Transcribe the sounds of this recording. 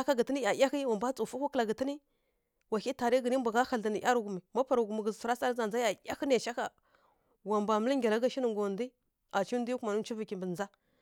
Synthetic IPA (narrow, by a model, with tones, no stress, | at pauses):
a˦ka˦ɡə˨tə˦ni˦a˨ja˦xi˦wa˨mba˦t͡su˨fu˦kʷu˦kla˨ɡə˨tə˦ni˦ | wa˨ki˦ta˨ɾi˦ɡə˨ni˦mbʷa˨ɡa˦xa˨lda˨ni˨ʔa˦ɾu˨ɡu˨mi˨ma˦pa˨ɾa˨ɡu˨mi˨ɡə˨zsɾa˦sa˦ɾza˨nza˦ja˨jʲa˦xə˦n˦a˨ʃa˦ka˨ | wa˨mba˨mə˦li˦ŋɡʲa˨la˦ɡa˦ʃi˦nə˨ŋɡo˨ndi˦ | a˨t͡ʃi˦di˦ku˨ma˨nu˦t͡ʃi˦vi˨ki˨mbə˨a˦